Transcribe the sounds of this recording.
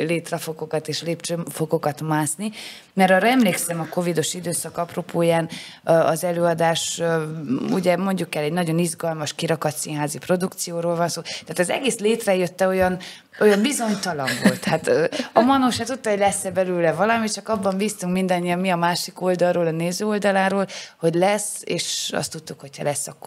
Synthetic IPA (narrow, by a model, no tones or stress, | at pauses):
leːt̪rɛfo̞ɡokɒt̪eːʃleːpt͡ʃøːmfo̞ɡo̞kɒt̪maːsni | mɛɾɒːɾɛmleːksɛmɒko̞vid̪o̞ʃid̪øːsɒkɒproːpʰoːjaːnɒzɛløːɒd̪aːʃ | ṵɟɛmo̞ɲɟukɛlɛɟnɒɟo̞nizɡɒlmɒʃkiɾɒkɒt̪sinɦaːzipro̞d̪ukt̪sijoːɾoːlvɒnsoːtt̪ɛːt̪ɒzɛ̰ɡeːsleːt̪rɛjøt̪ːɛo̞jɒn | o̞jɒmbizo̞nt̪ɒlɒɱvo̞̰lt̪hat̪øɒmɒnoʃaːt̪ut̪ːɒɦo̞ɟlɛsːɛbɛløːlɛvɒlɒmit̪t͡ʃɒkɒbːɒmbiːst̪uŋkmind̪ɒɲːijɒmmiɒmaːʃiko̞ld̪ɒlroːlɒneːzøːo̞ld̪ɒlaːɾoːlho̞ɟlɛsḛːʃɒ̰st̪ːut̪ːukho̞cʰhɒ̰lɛsːɒkː